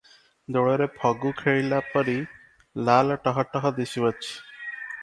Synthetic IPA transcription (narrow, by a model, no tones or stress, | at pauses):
d̪oɭɔɾepʰɔɡukʰeɭilapɔɾi | lalʈɔɦɔʈɔɦɔd̪eʃiat͡ɕʰi̥